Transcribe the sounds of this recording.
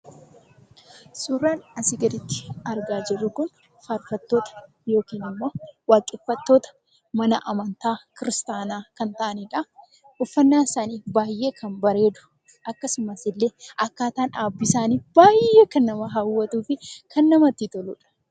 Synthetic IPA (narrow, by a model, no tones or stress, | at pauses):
suːrːaːnɐsɪɡɐd̪ɪt̪ːɪ̥ɐɾɡaːd͡ʒɛrːʊkʊn | faɾfɐt̪ːo̞ːt̪ɐ̥ | jo̞ːkiːnɪmːo̞ːwaːkʼːɪfːɐt̪ːo̞ːt̪ɐ̥ | mɐnɐʔɐmɐnt̪aːkɪɾɪst̪aːnaːkɐnt̪ɐʔɐnɪᶑɐ | ʊfːɐnːaːnɪsaːniːbaːjʔe̞ːkɐnbɐɾe̞ːd̪ʊ̥ | ʔɐkːɐsʊmɐsɪlːe̞ːʔɐkːaːt̪aːnaːbːɪsaːniːbaːje̞ːkɐnːɐmɐɦawːɐt̪uːfɪkʰɐnːɐmɐt̪ːit̪ɔlṵːᶑɐ̥